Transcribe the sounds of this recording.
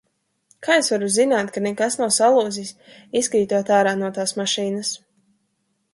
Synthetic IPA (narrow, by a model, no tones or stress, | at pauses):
kʰaːesvaɾuzinaːt̪kanɛkasnawsalˠuːzis | iskɾiːt̪uɔt̪aːɾaːnuɔt̪aːsmaʃiːnas